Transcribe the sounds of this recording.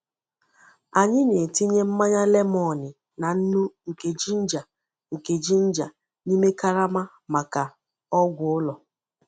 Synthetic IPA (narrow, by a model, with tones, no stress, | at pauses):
a˨ɲɪ˦ne˨ti˦ɲe˦m̩˦ma˦ɲa˦le˦m˦ɔ˨nɪ˨ | na˨n̩˦nu˦ŋ̩˨ke˨d͡ʒi˦n̩˦d͡ʒa˨ | ŋ̩˨ke˨d͡ʒi˦n̩˦d͡ʒa˨ | ni˦me˦ka˦ɾa˦ma˦ | ma˨ka˨ | ɔ˦ɡʷʊ˨ʊ˦lɔ˨